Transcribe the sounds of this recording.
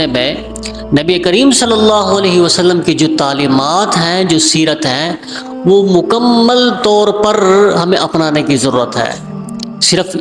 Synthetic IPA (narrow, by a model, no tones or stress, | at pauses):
emẽ | nɐbiekəɾiːmsɐlːəlːaːɦoɐleːɦiʋəsəlːəmkid͡ʒoːt̪aːliːmaːt̪ɦɛ̃d͡ʒoːsiːɾət̪ɦɛ̃ | ʋomʊkəmːəlt̪ɔːɾpɐɾɦɐmẽʔɐpnaːnekizɐɾuːɾət̪ɦɛ̰̃ː | sɪɾəf